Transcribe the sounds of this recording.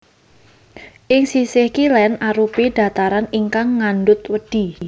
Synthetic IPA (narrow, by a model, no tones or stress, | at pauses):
ʔɪŋsisɪhkilɛnaɾupid̥a̤t̪aɾaniŋkaŋːanɖʊt̪wəɖ̥i̤